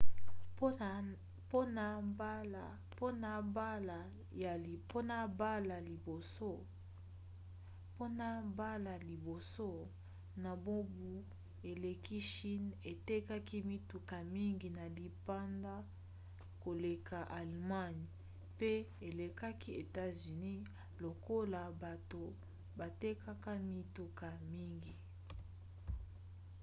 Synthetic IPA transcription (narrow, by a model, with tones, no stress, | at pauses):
po˦n˨˦˨ | po˦na˨bla˨ | ja˨i˨po˦na˨ba˦la˨li˨bo˨so˦ | po˦na˨ba˦la˨li˨bo˨so˦ | na˨bo˦bu˦ | e˨le˨ki˦ʃi˦ne˨te˦ka˦ki˦mi˦tu˨ka˨mi˦ŋɡi˨na˨li˨pa˦nda˦ | ko˨le˨ka˨ʔa˨lma˦n˨ | pe˦ | e˨le˨ka˦ki˦e˨ta˦zy˨ni˦ | lo˨ko˦la˨ba˨to˨ | ba˨te˦ka˦ka˦mi˦tu˦ka˨mi˦ŋɡi˨